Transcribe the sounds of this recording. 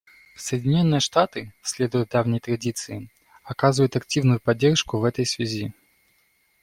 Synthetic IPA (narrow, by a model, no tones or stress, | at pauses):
səjɪdʲɪnʲo̞nːɨjəʂt̪at̪ɨsʲlʲe̞d̪ʊjʊt̪̚d̪avnʲɪjt̪ɾɐdʲit̪sɨɪ | ɐkazɨvəjʊt̪ɐktʲivnʊjʊpɐdʲːerʂkʊvɛt̪əjsvʲɪzʲi